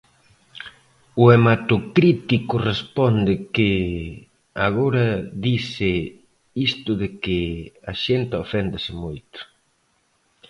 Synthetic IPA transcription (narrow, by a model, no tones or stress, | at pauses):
ʊemat̪ʊkɾit̪ikʊrespɔnd̪ɪkɪ | aɣ̞oɾɐðisɪ | ist̪ʊðɪkɪaʃent̪ofɛnd̪asɪmojt̪ʊ̥